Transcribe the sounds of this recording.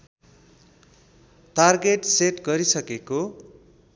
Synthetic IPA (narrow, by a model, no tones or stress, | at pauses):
tarɡeʈseʈɡʌɾisʌkeko